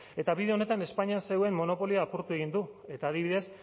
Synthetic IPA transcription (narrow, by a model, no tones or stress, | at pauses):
e̞t̪aβiðe̞o̞ne̞t̪ane̞spaɲiaseɣoemːo̞no̞po̞liaːpuɾt̪ue̞ɣind̪ue̞t̪aːð̞iβiðe̞s